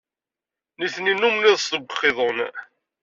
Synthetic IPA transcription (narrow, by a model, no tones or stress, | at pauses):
niθninumliðˤsðəɡʷəχːɪðˤon